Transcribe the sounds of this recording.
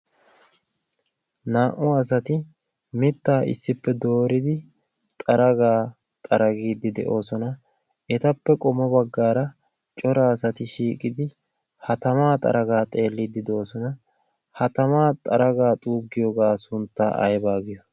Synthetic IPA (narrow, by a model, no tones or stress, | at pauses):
naːʔʊɐs̬ɐt̪ɪ | mɪt̪ːaːʔɪ̰sːɪpːɛd̪o̞ːɾɪd̪ɪ | t̪ʼɐɾɐɡaː | t̪ʼɐɾɐɡiːd̪ɪd̪ɛ̰ʔo̞ːsɔnɐ | ɛt̪ɐpːɛkʼɔmɔbɐɡːaːɾɐ | t͡ʃʼɔɾaːsɐt̪ɪʃiːkʼɪd̪ɪ | hɐt̪ɐmaːt̪ʼɐ̰ɾʔɐɡaːt̪ʼe̞ːlːiːd̪ɪd̪ɛo̞ːsɔnɐ | hɐt̪ɐmaːt̪ʼɐɾɐɡaːt̪ʼuːɡːɪjoːɡaːsʊnt̪ːa̰ːɐ̰jbaːɡɪjɔ